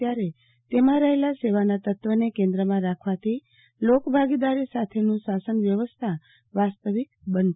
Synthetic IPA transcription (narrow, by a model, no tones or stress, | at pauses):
jaɾe | t̪emãɾəɦelaseʋanat̪ət̪ʋənekẽnd̪ɾəmãɾakʰʋat̪ʰi | lokbʱaɡid̪aɾisat̪ʰenũsasənʋjəʋəst̪ʰa | ʋast̪əʋikbən